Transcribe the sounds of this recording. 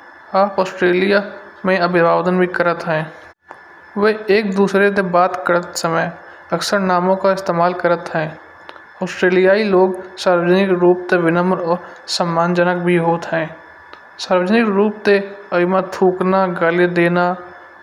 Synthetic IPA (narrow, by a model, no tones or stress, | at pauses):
aːpɔːsʈɾeːlija | mẽɐbɪbaːʋd̪ənbʱikəɾət̪ɦɛ̃ː | ʋeeːk̚d̪uːsɾet̪̬ebaːt̪kəɾət̪səməj | əksəɾnaːmõkaɪst̪eːmaːlkəɾət̪ɦɛ̃ː | ɔːsʈɾeːlijaːiloːɡsaːɾʋəd͡ʒnɪkɾuːp̚t̪eʋɪnəməɾɔːɾsəmːaːnd͡ʒənək̚bʱiɦoːt̪ɦɛ̃ː | saːɾwəd͡ʒnɪkɾuːp̚t̪eəmat̪ʰuːknaɡaled̪eːna